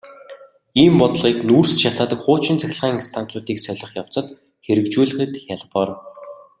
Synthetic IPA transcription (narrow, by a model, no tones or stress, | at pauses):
iːmpɔt̪ɮʁiːknursʃat̪aːt̪ə̆kχʊːt͡ɕɪ̆nt͡sʰæxʲɪ̆ɮʁaːŋinst̪ʰan̥t͡sʊːt̪iːksœɮʲɞ̆χjaw̥t͡sə̆t̪ | xeɾɘ̆kt͡ɕuːɮɘ̆χɘ̆t̪jaɮpɔːr